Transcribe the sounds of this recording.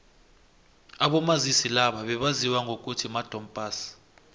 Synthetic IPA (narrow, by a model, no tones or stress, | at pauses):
aɓɔmazisilaɓaɓɛɓaziwaŋɡʱok̬ʼutʰimad̥ʱɔmpʼaːsi̥